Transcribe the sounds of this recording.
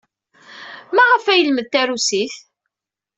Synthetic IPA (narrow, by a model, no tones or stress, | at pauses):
mæʁəfæjəlməðt̪æɾusiθ